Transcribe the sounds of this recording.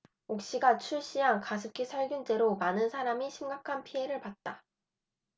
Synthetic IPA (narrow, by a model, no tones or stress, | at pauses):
ok̚ɕ͈iɡat͡ɕʰuɭɕ͈iɦankasʰɯp̚kʰisʰʌɭɡjund͡ʑe̞ɾomanɯnsʰaɾamiɕʰimɡakʰanpʰiɦe̞ɾɯɭpat̚t͈a